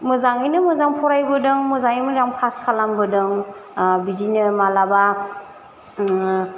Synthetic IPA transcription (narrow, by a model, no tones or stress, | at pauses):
mɯzaŋɯjnɯmɯzaŋpʰɔɾajbɯdɯŋmɯzaŋijmɯdaŋpʰaskʰalambɯdɯŋbidinɯmalaba